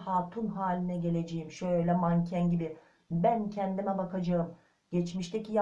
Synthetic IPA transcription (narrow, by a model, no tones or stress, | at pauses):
haːt̪ʰunɦaːlʲinɛɟe̞lʲe̞d͡ʒejimʃøjjlʲɛmancʰænɟibɪ | bæncʰɛnd̪imɛbakʰad͡ʒaɯm | ɟ̥ɛt͡ʃmiʃt̪ʰɛcija